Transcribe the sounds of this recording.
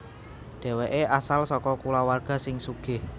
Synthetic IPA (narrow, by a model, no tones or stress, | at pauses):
ɖ̥e̤weʔeʔasalsɔkɔkulawarɡ̥a̤sɪŋsuɡ̥ɪ̤h